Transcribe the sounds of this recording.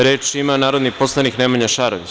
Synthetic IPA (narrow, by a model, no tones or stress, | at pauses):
ɾe̞ːt͡ʃimanaːɾo̞d̪nipo̞slˠanikneːmaɲaʃaːɾo̰ʋit͡ɕ